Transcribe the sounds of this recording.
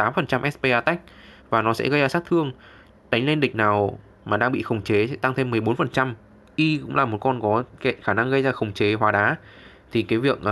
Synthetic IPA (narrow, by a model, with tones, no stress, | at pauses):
t̪aː˨˦mfə˨˩nt͡ɕa˧mʔɛ˦˥spe˧ʔaː˧t̪a˦˥k̚vaː˨˩nɔ˨˦sɛ̰˧˥ɣə˧jzaː˧˩saː˦˥k̚t̪ʰɨ˧əŋ | ɗa˨˦jŋ̟le˧nɗï˨˩ŋ̟̚naː˨˩w | maː˨˩ɗaː˧ŋɓḭ˧˨xə˨˩wŋ͡mt͡ɕe˨˦sɛ̰˧˥t̪a˧ŋt̪ʰe˧mːɨ˨˩əjɓo˨˦nfə˨˩nt͡ɕa˧m | ʔi˧kʊ̰˧˥ŋ͡mlaː˨˩mo˨˩t̚kɔ˧nkɔ˨˦kḛ˧˨nxaː˧˩na˧ŋɣə˧jzaː˧˩xə˨˩wŋ͡mt͡ɕe˨˦ɦwaː˨˦ɗaː˨˦ | t̪ʰi˨˩kaː˨˦vi˨˩ək̚ʔ